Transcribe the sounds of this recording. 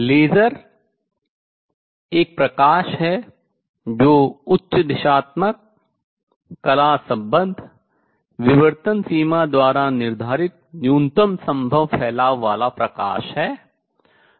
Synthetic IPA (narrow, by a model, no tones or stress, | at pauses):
leːd͡ʒəɾ | eːk̚pɾɐkaːʃɦɛ | d͡ʒoːʊtːʃəd̪ɪʃaːt̪mək̚ | ɐlaːsɐ̃mbə̃nd̪ʱ | ʋɪʋəɾt̪ənsiːmad̪ʋaːɾanɪɾd̪ʱaːɾɪt̪̚njuːnt̪əmsɐ̃mbʱəʋpʰɛːlaːʋːaːlapɾɐka̰ːʃɦɛː